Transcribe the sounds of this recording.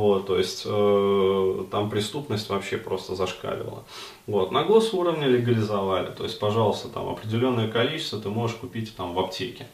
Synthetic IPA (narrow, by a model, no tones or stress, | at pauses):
vo̞t̪ːo̞ɪsʲtʲə | t̪ampɾʲɪst̪upnəsʲtʲvɐpɕːe̞pɾo̞st̪əzɐʂka̰lʲɪ̰və̰lˠə̰ | vo̞t̪nɐɡˠo̞suɾəvnʲɪlʲɪɡəlʲɪzɐvalʲɪ̰t̪o̞̰ɪsʲtʲpɐʐɑlˠəst̪ət̪a̰mɐ̰pɾʲɪdʲɪlʲo̞nːəjəkɐlʲit͡ɕɪ̥st̪vət̪ɨmo̞ʐɨʂkʊpʲitʲt̪amvɐptʲekʲɪ